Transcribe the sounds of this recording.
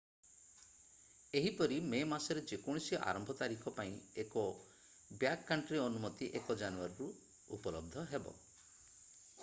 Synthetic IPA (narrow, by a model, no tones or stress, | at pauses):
eɦipɔɾimemasɔɾed͡ʒekuɽ̃isjɔʔa̰ɾɔmbʱɔt̪aɾikʰɔpaĩekɔ | bjakːaɳʈɾiɔnumɔt̪iʔekɔd͡ʒanuaɾiɾu | upɔlɔb̚d̪ʱɔɦebɔ̰